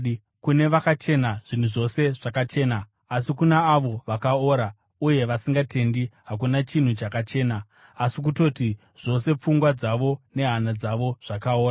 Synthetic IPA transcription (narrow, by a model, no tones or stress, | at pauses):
kune̞ʋakat͡ʃe̞naʐ̥in̤uʐo̞se̞ʐ̥akat͡ʃe̞ːnaː | sikunaːʋo̞ʋakao̞ːɾa | uje̞ʋasiŋɡate̞ndiɦak̬unat͡ʃin̤ut͡ʃakat͡ʃe̞ːnaː | sik̬uto̞ti | ʐ̥o̞se̞p͡fuŋɡwad͡zaʋo̞ne̞ɦanad͡zaʋo̞ʐ̥akaoːa